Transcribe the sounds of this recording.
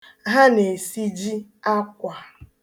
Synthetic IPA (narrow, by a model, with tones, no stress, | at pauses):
ɦa˦ne˨si˦d͡ʒi˦ | a˦kʷa˨